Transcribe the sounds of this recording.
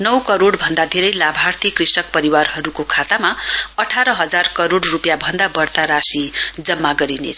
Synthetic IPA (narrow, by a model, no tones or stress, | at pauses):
nʌwkʌɾoɽbʱʌnd̪ad̪ʱeɾʌjlabʱart̪ʰikrisʌk̚pʌɾiwarɦʌɾukokʰat̪amaʌʈʰaɾʌɦʌd͡zarkʌɾoɽrupjabʱʌnd̪abʌrt̪aɾasid͡zʌmːaɡʌɾinḛt͡sʰʌ